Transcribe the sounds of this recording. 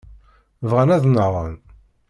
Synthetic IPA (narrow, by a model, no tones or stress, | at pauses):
vʁənæðnəʁə̰n